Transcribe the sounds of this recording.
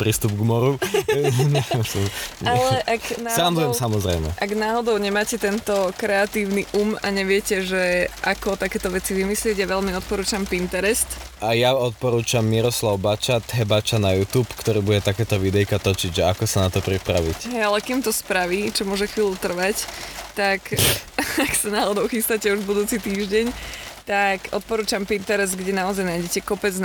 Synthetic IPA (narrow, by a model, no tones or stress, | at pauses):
pɾiːst̪ubɡmɔɾu | ɲɛsɲaɛlɛʔaknasːaanzujɛmsamɔzɾɛjmɛ̰ʔaɡnaːɦɔd̪ɔʊɲɛmaːcɛt̪ɛnt̪ɔkɾɛat̪iːʊniʔumaɲɛʋɪɛcɛʒɛʔakɔt̪akɛːt̪ɔʋɛt͡siʋimislɪɛɟjaʋɛlmiɔt̪̚pɔɾuːt͡ʃampint̪ɛɾɛst̪ʔajaɔt̪̚pɔɾuːt͡ʃamːiɾɔslaʊbat͡ʃat̪ɦɛbat͡ʃanajut̪uːpkt̪ɔɾiːbuɟɛt̪akɛːt̪ɔʋid̪ɛjkat̪ɔt͡ʃiɟʒɛakɔsanat̪ɔpɾipɾa̰ʋḭcɦɛjalɛkimt̪ɔspɾaʋiːt͡ʃɔmʊɔʒɛxʋiːlut̪r̩ʋact̪ak | aksanaːɦɔd̪ɔʊxist̪acɛuʒbud̪uːt͡sit̪iːʒɟɛɲt̪akʔɔ̰t̪̚pɔɾuːt͡ʃampint̪ɛɾɛzd̪ɡɟɛnaɔzajnajɟɛcɛkɔpɛd͡zn